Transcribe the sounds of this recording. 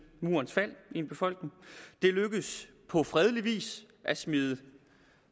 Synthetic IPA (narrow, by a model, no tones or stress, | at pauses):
mṵːɐnsfæl̰e̝nb̥e̝fɒ̽l̰ɡ̥ne̝ŋd̥e̝løɡ̥əð̩ˠs | pʰɒ̽fʁɛð̞ˠliʋḭːs | ʔæsmiðˠə